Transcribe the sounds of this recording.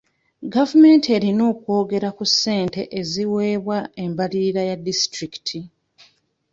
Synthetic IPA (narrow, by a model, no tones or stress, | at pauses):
ɡavume̞ːntie̞ɾino̞ːkwo̞ːɡe̞ɾakusːe̞ːnte̞ʔeziwe̞ːβwae̞mbaliɾajadistɾiki̥tʰi